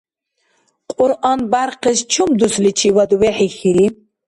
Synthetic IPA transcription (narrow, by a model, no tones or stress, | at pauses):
qʼʊɾʔɑnbaɾqʰəst͡ʃʰumd̪uslit͡ʃʰiwad̪uwɛħixiɾi